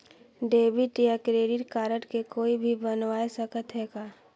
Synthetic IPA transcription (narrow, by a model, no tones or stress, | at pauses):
ɖeːbiʈjakɾeːɾiʈkaːɾəʈkekoːibʱibənʋaːesəkət̪ɦɛːɡaː